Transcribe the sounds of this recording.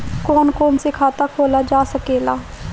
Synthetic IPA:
koːnkoːnsɪkʰaːt̪aːkʰoːlaːd͡ʒaːsəkeːlaː

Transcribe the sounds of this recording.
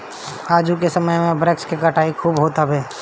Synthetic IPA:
aːd͡ʒuk̬esəməjmẽbɾekskekəʈʰaːikʰuːbɦoːt̪ɦabeː

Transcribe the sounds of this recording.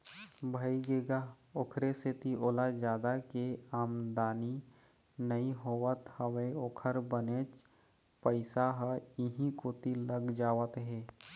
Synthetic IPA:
bʱəiɡeːɡa | okʰɾeset̪iʔoːlad͡ʒaːd̪akeaːmd̪aːni | nəiɦoːwət̪həʋeoːkʰəɾbəneːt͡ʃ | pəɪsaɦəɪɦĩkoːt̪iləɡd͡ʒaːwət̪ɦɛː

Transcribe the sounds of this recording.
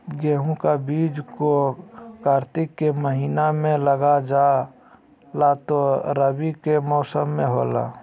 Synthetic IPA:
ɡeːɦũkabiːd͡ʒkokaːɾt̪ɪkːeməɦiːnamẽləɡad͡ʒaː | lat̪oɾəbikemɔːsəmːẽɦoːla̰ː

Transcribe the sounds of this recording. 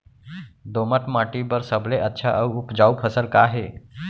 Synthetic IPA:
d̪oməʈ̪maʈibəɾsəbleʔətːɕʰaʔəwupd͡ʑaupʰəsəlkaɦe

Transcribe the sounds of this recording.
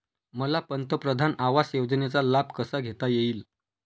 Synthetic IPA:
məlapənt̪əpɾəd̪ʱanaʋasjod͡znet͡salab̚ʱkəsaɡʱet̪ajeiːl

